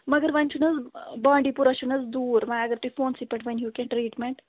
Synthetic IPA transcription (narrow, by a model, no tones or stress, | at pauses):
mɐɡəɾʋɐnt͡ʃʰunɐzbãːɳɖipuɾɐʃunɐzd̪uːɾmãjɐɡəɾt̪uifoːnsipɐʈʋɐnjuːkɛ̃ɳʈɾiːʈmẽɳʈ